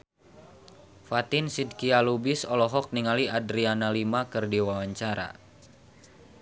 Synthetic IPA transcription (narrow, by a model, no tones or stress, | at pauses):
fat̪ɪnsid̚kialubisɔlɔɦɔk̚niŋaliadɾianalimakɨrdiwawaɲt͡ʃaɾa̰